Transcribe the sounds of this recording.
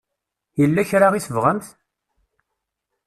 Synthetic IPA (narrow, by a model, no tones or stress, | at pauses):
jəlːæçɾaʁisəvʁəmθ